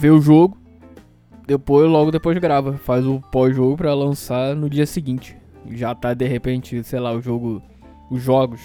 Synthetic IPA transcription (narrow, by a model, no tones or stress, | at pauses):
veʊʒoɡʊ | d̪epojzʒlɔɡʊd̪epojzɡɾavɐfazʊpɔzʒoɡʊpɾɐlɐ̃sanʊd͡ʒiɐsiɡĩt͡ʃɪ̥ | ʒat̪ad̪eɦepẽt͡ʃɪsejlaʊʒoɡʊ | ʊʒɔɡʊs